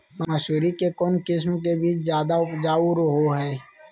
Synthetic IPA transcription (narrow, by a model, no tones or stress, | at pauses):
mamːsuːɾikekɔːnkɪs̬mkebiːt͡ʃzjaːd̪aʊpd͡ʒaːuɾɦoɦɛː